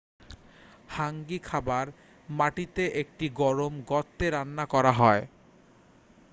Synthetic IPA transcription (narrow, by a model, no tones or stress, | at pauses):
haŋɡikʰabaɾ | maʈit̪eʔek̚ʈiɡɔɾomɡɔt̪ːeɾanːakɔɾaɦɔe